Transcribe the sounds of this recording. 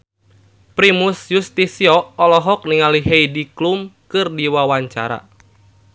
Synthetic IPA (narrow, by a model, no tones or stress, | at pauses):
pɾimusjust̪isiɔɔlɔɦɔk̚niŋaliɦejdiklumkɨrdiwawaɲt͡ʃa̰ɾa̰